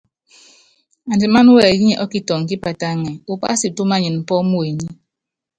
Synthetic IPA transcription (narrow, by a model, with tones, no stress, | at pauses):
a˨n˨di˨ma˦n˦wɛ˨ji˦ɛ˨ʔɔ˦ki˦tɔ˨ŋ˨k̬i˦pa˨ta˦ŋɛ˨u˨pa̰˦si˨tu˦ma˦ɲɨ˨nm̩˨pɔ˦mu˦e˨ɲi˦